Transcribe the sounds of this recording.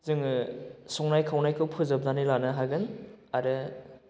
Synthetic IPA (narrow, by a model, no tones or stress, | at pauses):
zɯŋsɔŋnajkʰawnajkʰɯwpʰɯzɯb̚danilanɯɦaɡɯnaɾɯ